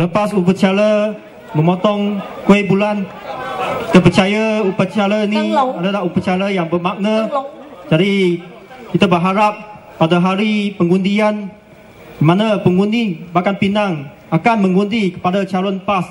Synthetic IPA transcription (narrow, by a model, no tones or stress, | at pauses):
ləpasupət͡ʃaɾa | mə̃mɔt̪ɔŋkuebulan | kit̪əpət͡ʃajaupət͡ʃaɾaniadadaupət͡ʃaɾajaŋbəmak̚nə | d͡ʒadi | kit̪abəɦaɾap̚ | padaɦaɾipəŋɡundian | manapəŋɡundibakanpinaŋ | akanmə̃ŋɡundikə̥padat͡ʃalɔnpas